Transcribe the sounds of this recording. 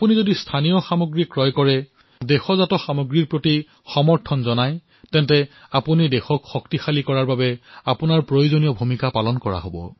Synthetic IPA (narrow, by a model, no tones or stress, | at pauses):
apunizodistʰanijɔxamoɡɹikɹɔjkɔɹɛ | dɛxɔzatɔxamoɡɹiɹpɹoti | xɔmɔɹtʰɔnzɔnaj | tɛntɛapunidexɔkxɔk̚tixalikɔɹaɹbabɛapunaɹpɹojozonijɔbʱumikapalɔnkɔɹa̰ɦobɔ̰